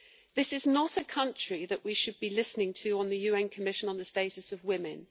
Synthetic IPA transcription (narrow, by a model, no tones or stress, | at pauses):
ðɪsɪznətəkʰʌ̃nt͡ʃɹ̥iðəʔwiʃəd̚bilɪsnɪ̃ŋtʰɨə̃nðəjʉɛ̃nkʰəmɪʃə̃nə̃nðəsteɪtəsəvwɪ̃mɪ̃n